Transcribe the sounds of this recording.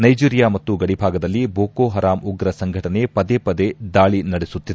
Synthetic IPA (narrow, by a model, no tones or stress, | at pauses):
nɐjd͡ʒiːɾijaːmɐt̪ːuɡɐɽibʱaːɡɐd̪ɐlːibʱoːkoːɦɐɾaːmuɡɾɐsɐŋɡʱɐʈɐne̞pɐd̪eːpɐd̪e̞d̪aːɭinɐɽesut̪ːid̪e